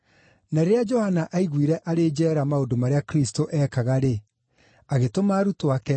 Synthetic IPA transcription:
naɾeɾead͡ʒɔhanaʔaiɣwiɾɛʔaɾed͡ʒɛːɾamaondomaɾeakɾistoʔɛːkaɣaɾe | aɣetomaːɾutoakɛ

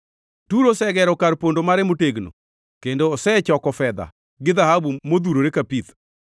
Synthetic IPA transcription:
tuɾosɛɡɛɾɔkaɾpondomaɾɛmoteɡno̰ | kendoːsɛt͡ʃɔkɔfɛd̪a̰ | ɡɪd̪ahabumod̪uɾoɾekapit̪

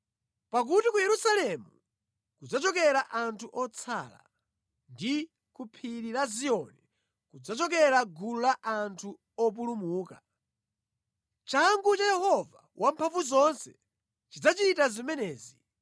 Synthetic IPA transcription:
pak̬utikujɛɾusalɛmu | kud͡zat͡ʃɔkɛɾaʔantʰuʔɔt͡sʰa̰la̰ | ndi | kupʰiɾiɾaziɔnɛ | kud͡zat͡ʃɔkɛɾaɡululaʔantʰu | ɔp̬ulumuːka | t͡ʃaŋɡut͡ʃajɛhɔva | wʔampʰaɱvuzɔnsɛ | t͡ʃid͡zat͡ʃitazimɛnɛːzi

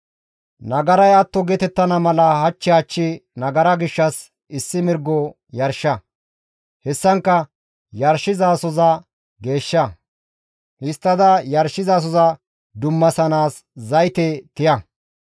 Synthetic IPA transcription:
nɐɡɐɾɐjɐt̪ːɔɡɛt̪ɛt̪ːɐnɐmɐlɐhɐt͡ʃːɪɐt͡ʃːɪnɐɡɐɾɐɡɪʃːɐs | ɪsːɪmɪɾɡɔ | jɐɾʃːɐ | hɛsːɐŋkːɐ | jɐɾʃɪzaːsɔzɐ | ɡe̞ːʃːɐ | hɪst̪ːɐd̪ɐjɐɾʃːɪzaːs̬ɔzɐ | d̪ʊmːɐsɐnaːs | zɐjt̪ɛt̪ɪjɐ

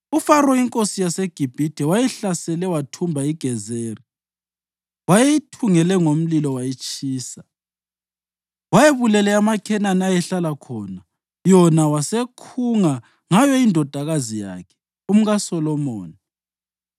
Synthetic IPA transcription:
ufaɾɔiŋkʼosijaseɡ̥ʱib̥ʱid̥ʱɛwajɛɬasɛlɛwatʰumbʱaiɡ̥ʱɛzeːri | wajeitʰuŋɛlɛŋom̩lilɔwajit͡ʃʼiːsa | wajeβulɛlɛamakʰɛnanajɛɬalakʰɔna | jɔnawasekʰuŋa | ŋajɔindʱɔd̥ʱaɣazija̰ːkʰɛ̥ | um̩ɣasɔlɔmɔ̰ːni

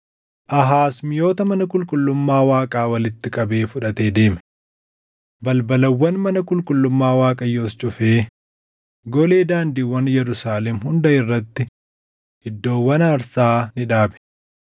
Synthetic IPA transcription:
ʔɐɦaːsmɪjo̞ːt̪ɐmɐnɐkʼʊlkʼʊlːʊmːaːwaːkʼaːwɐlɪt̪ːɪkʼɐbe̞ːfʊᶑɐt̪e̞ːd̪e̞ːmɛ̥ | bɐlbɐlɐwːɐnmɐnɐkʼʊlkʼʊlːʊmːaːwaːkʼɐjːo̞ːst͡ʃʼʊfeː | ɡɔle̞ːd̪aːnd̪iwːɐnjɛɾʊsaːlɛmɦʊnd̪ɐɪrːɐt̪ːɪ | hɪd̪ːo̞ːwːɐnaːɾsaːnɪᶑaːbɛ̥

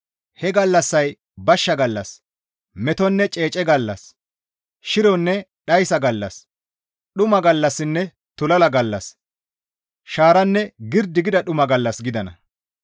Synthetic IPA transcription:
hɛɡɐlːɐsːɐj | bɐʃːɐɡɐlːɐs | mɛt̪ɔnːɛt͡ʃʼe̞ːt͡ʃʼɛɡɐlːɐ̰s | ʃɪɾɔnːɛɗɐjsɐɡɐlːɐ̰s | ɗʊmɐɡɐlːɐsːɪnːɛ | t̪ʊlɐlɐɡɐlːɐ̰s | ʃaːɾɐnːɛɡɪɾd̪ɪɡɪd̪ɐɗʊmɐɡɐlːɐsɡɪd̪ɐnɐ̰

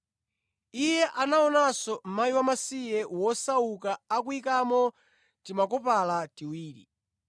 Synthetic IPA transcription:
ijɛʔanaɔnasɔm̩maiwamasijɛwɔsaukaːk̬uikamɔ | timakɔpalatiwiːɾḭ

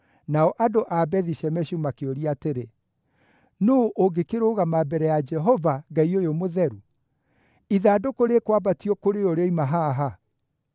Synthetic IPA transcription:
naɔʔadoʔabɛðiɕɛmɛɕumakeoɾiateɾe | noːʔoɡekeɾoːɣamabɛɾɛjad͡ʒɛɦɔvaɡaiojomoðɛɾu | iðaːdokoɾeːkwabatiɔkoɾeoɾeɔimaɦaɦa

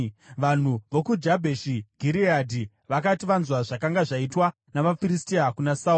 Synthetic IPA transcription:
ʋan̤uʋo̞kud͡ʒabʱeʃiɡʱiɾiadʱi | ʋakatiʋanzwaʐakaŋɡaʐaitwa | namafiɾistiakunasauː

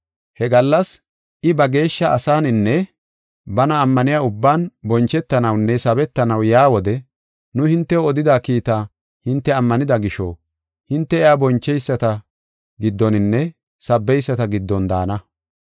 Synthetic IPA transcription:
hɛɡɐlːɐs | ʔɪbɐɡe̞ːʃːɐʔɐsaːnɪnːɛ | bɐnɐːmːɐnɪjaːʊbːaːnbɔnt͡ʃːɛt̪ːɐnɐwnːɛsɐbɛt̪ːɐnɐwjaːwɔd̪ɛ | nʊhɪnt̪ːɛɔd̪ɪd̪aːkiːt̪a | hɪnt̪ːɛɐmːɐnɪd̪ɐɡɪʃɔ̰ | hɪnt̪ːɛɛjaːbɔnt͡ʃːɛjsːɐt̪ɐ | ɡɪd̪ːɔnɪnːɛ | sɐbːɛjsːɐt̪ɐɡɪd̪ːɔnd̪a̰ːnɐ

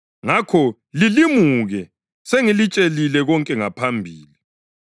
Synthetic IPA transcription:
ŋakʰɔ | lilimuɣɛ | seŋilit͡ʃʼelilɛɣɔŋkʼɛŋapʰambʱiːli

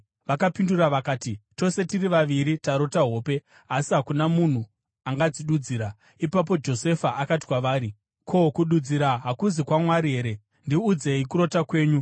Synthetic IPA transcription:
ʋakapinduraʋakaːtit͡ʃo̞se̞tiriʋaʋiɾitaɾo̞taɦo̞ːpe̞ | asiɦakunamun̤u | aŋɡad͡ziɗud͡ziːɾa | ipap̬o̞d͡ʒo̞se̞faʔakati̥kwaʋaːɾi | kʰo̞kuɗud͡ziɾaɦakuzikwamwaɾiɦe̞ːɾe̞ | ndiud͡ze̞ikuɾo̞takwe̞ːɲu

